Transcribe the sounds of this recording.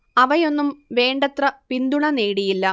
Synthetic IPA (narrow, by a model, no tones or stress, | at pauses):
ɐʋɐjo̞nːumʋe̞ːɳɖɐt̪rɐpind̪uɳɐne̞ːɽijilːɐ